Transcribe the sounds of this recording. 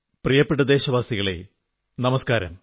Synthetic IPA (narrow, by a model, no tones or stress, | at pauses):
prijɐpːeʈːɐd̪e̞ːɕɐʋaːsiɣɐɭḛ | nɐmɐskaːɾɐ̰m